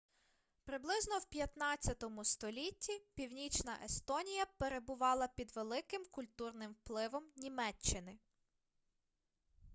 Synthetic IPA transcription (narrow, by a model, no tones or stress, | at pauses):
pɾɪblˠɪznɔwpʲjɐt̪nɑt͡sʲːɐt̪ɔmʊst̪ɔlʲitʲːipʲiwnʲit͡ʃnɐʔest̪ɔnʲijɐpeɾe̞bʊʋɑlˠɐpʲid̪ʋelˠɪkɪmkʊlʲt̪urnɪmwplˠɪʋɔmnʲimɛt͡ʃːɪnɪ